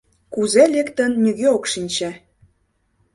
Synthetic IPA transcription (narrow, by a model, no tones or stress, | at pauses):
kuzelekt̪ə̆nːʲiɣeokʃinʲt͡ɕe